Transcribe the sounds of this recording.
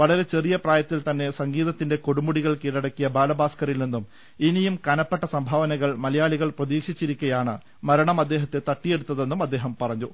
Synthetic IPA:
ʋɐɭɐɾe̞t͡ɕe̞rijɐpraːjɐt̪ːilt̪ɐnːe̞sɐŋɡiːðɐt̪ːinde̞ko̞ɽumːuɽiɣɐɭkiːɽɐɽɐkːijɐbaːlɐbaːskɐɾilninːum | inijumkɐnɐpːeʈːɐsɐmbʱɐːʋɐnɐɣɐɭmɐlɐjaːɭiɣɐɭprɐðiːkʂit͡ɕːiɾikʲːɐjaːɳɨ | mɐɾɐɳɐmɐd̪ːe̞ːɦɐt̪ːe̞t̪ɐʈːije̞ɽut̪ːɐðe̞nːumɐd̪ːe̞ːɦɐmpɐrɐɲːu

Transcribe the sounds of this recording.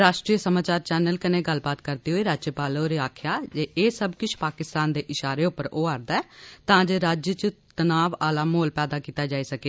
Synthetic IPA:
ɾaːʃʈɾiːəsəmaːt͡ʃaːɾt͡ʃɛːnəlkɪneːɡəlbaːt̪kəɾd̪iːɦoːiːɾaːd͡ʒjəpaːloːɾiːaːkʰjaːd͡ʒeːʔeːsəbkɪt͡ʃʰpaːkɪst̪aːnd̪eːʔɪʃaːɾeːʊpːəɾoːaːɾd̪aːɛːt̪ãːd͡ʒeːɾaːd͡ʒjət͡ʃt̪ənaːʋaːlaːmoːlpɛːd̪aːkiːt̪aːd͡ʒaːiːsəkeː

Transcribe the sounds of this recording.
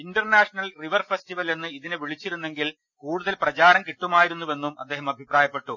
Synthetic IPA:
indɐrnaːʂɐnɐlriʋɐrfestiʋɐle̞nːɨiðinɨʋiɭit͡ɕːiɾunːe̞ŋɡil | kuːɽuðɐlprɐt͡ɕaːɾɐmkiʈːumaːjiɾunːuʋe̞nːumɐ̰d̪ːe̞ːɦɐmɐbʱipraːjɐpːe̞ʈːu

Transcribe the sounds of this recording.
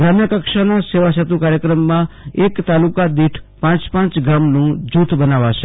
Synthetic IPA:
ɡɾamjəkəkʃanaseʋasət̪ukaɾjəkɾəmːãekt̪alukad̪iʈʰpãt͡ʃpãt͡ʃɡamnũd͡ʒut̪bənaʋat͡ʃʰe

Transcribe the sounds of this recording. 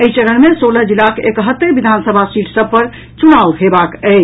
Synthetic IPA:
əit͡ʃəɾənmesoləɦd͡ʒilakekəɦət̪ːebid̪ʱansəbʱasiʈsəb̚pəɾ | t͡ʃunauɦebakə

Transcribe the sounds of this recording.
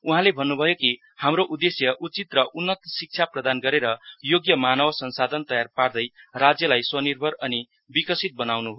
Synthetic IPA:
uɦãlebʱʌnːubʱʌjoki | hamɾoʔud̪ːesjʌʔut͡sit̪rʌʔunːʌt̪sik̚t͡ʃʰaprʌd̪anɡʌɾeɾʌjoɡjʌmanʌwʌsʌnsad̪ʱʌnt̪ʌjarpard̪ʌjrad͡zjʌlajswʌnirbʱʌɾʌni | bikʌsit̪̚bʌnawnubʱʌ

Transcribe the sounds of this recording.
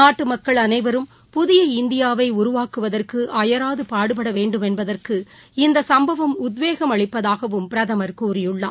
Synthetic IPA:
naːʈːɯmɐkːɐɭɐnɐɪʋɐɾɯm | pʊðɪjɐɪnd̪ɪjaːʋɐɪʊɾʊʋaːkɯʋɐðɐrkɯʔɐjɐɾaːðɯpaːɽɯpɐɽɐʋeːɳɖɯmɛnbɐðɐrkɯ | ɪnd̪ɐsɐmbɐʋɐmʊd̪ʋeːɣɐmɐɭɪpːɐðaːɣɐʋɯmpɪɾɐðɐmɐɾkuːrɪjɯɭːa̰ː

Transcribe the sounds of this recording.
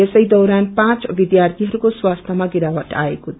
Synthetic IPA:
esʌjd̪ʌwɾanpãt͡sbid̪jart̪ʰiɦʌɾukoswast̪ʰʌmaɡiɾawʌʈa̰ekot̪ʰ

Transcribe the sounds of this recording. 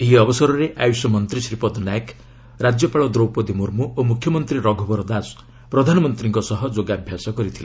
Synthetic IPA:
eɦiɔbɔsɔɾɔɾeʔajusɔmɔnt̪ɾisɾipɔd̪nak | ɾad͡ʒjɔpaɭɔd̪ɾowpɔd̪imuɾmuʔomukʰjɔmɔnt̪ɾiɾɔɡʱɔbɔɾɔd̪as | pɾɔd̪ʱanɔmɔnt̪ɾiŋkɔsɔɦɔd͡ʒoɡabʱjasɔkɔɾit̪ʰile

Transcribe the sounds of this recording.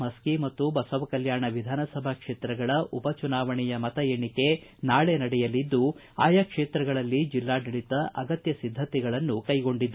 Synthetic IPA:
mɐskimɐt̪ːubɐsɐʋɐkɐljaːɳɐʋid̪ʱaːnɐsɐbʱɐkʂeːt̪ɾɐɡɐɭɐʔupɐt͡ʃunaːʋɐɳɛjɐmɐt̪ɐjeːɳike̞naːɭenɐɽɛjɐlid̪ːu | aːjakʂeːt̪ɾɐɡɐɭɐlːid͡ʒilːaːɖ̪iɭit̪ɐʔɐɡɐt̪jɐsid̪ʱːɐt̪ɛɡɐɭɐnːukɐjɡo̞ɳɖid̪ːu

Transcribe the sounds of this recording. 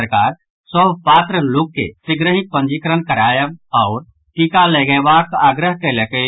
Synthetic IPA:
əɾkaːɾ | səbpaːt̪ɾəlokːḛsiɡɾəɦipənd͡ʒikɾənkəɾajəbɔʊɾ | kikalɛɡɛbakaːɡɾəɦkɛlekə

